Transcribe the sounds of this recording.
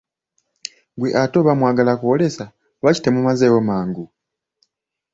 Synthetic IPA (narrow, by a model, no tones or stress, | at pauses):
ɡweʔato̞βamwaːɡalakuwole̞sa | βaci̥temumazewomaːŋɡu